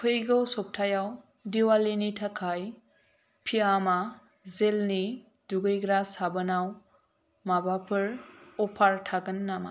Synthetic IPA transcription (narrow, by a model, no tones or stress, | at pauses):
kʰɯjɡɔwsɔp̚tʰajaw | diwalinitʰakʰaj | pʰiama | zelni | duɡɯjɡɾasabɯnaw | mabapʰɯɾɔpʰaɾtʰaɡɯnːama̰